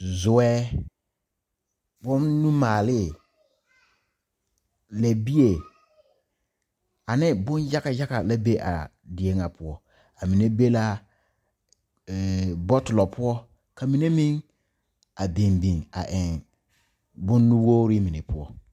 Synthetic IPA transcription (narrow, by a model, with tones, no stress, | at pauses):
zʊ˨wɛ˦ | bʊ˦nːũ˦maː˨lɪ˦˨ | la˨bi˦e˨ | a˨nɪ˦bʊ˦n˦ja˦ka˨ja˦ka˨la˦be˦ʔa̰˨dɪ˨e˦ŋa˨pʰʊ˦ɔ˦ | a˨mi˨ne˦be˦la˦˨ | bɔ˦tʊ˨lɔ˨pʰʊ˦ɔ˦ | ka˨mi˨ne˦mĩ˦ŋ | a˨bi˨mbĩ˨ŋa̰˨ʔɪ˨ŋ | bʊ˦nːũ˦wo˦ɾi˦mi˨ne˨pʊ˦ɔ˦